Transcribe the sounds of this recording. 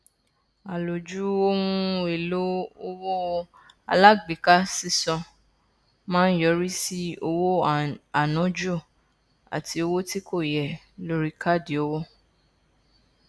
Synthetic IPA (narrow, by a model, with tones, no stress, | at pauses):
a˨lo˨d͡ʒu˨˦o˦wũ˧e˨lo˦o˧wo˦ | a̰˧la˦ɡ͡bi˨˦ka˦si˦˧sɔ̃˧ | mãː˦n̩˦jɔ˧˦ɾi˦si˦o˧wo˦a˨nɔ̃˨˦d͡ʒo˦˨ | a̰˨ti˧o˧wo˦ti˦ko˦˨jɛ˨ | lo˧ɾi˦ka˦˨di˨o˨˧wo˦